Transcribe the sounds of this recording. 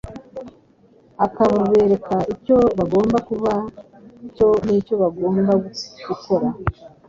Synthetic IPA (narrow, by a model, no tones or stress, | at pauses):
akaβaβe̞ːɾe̞kaico̞βaɡo̞ːmbakuβa | ico̞niːco̞βaɡo̞ːmbaɡ̥uko̞ɾa